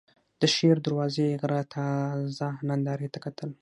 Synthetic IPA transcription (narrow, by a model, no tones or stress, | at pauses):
d̪̥əʃeɾd̪aɾwɑzeɣɾat̪ʰɑzanand̪ɑɾet̪akat̪ʰəl